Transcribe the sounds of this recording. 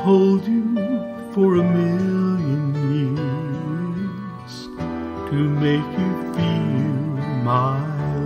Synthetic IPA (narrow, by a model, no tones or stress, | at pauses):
hoʊlˠdɨ | fə˞ɨmɪlˠjɨ̃njɪɹ | z̥ | tʰɨmeɪkʰjɨfilmaɪ